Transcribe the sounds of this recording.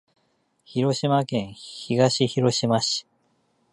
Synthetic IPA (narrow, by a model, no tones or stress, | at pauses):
çiɾo̞ɕimakẽ̞ɰ̃çiɡaɕiçiɾo̞ɕimaɕi̥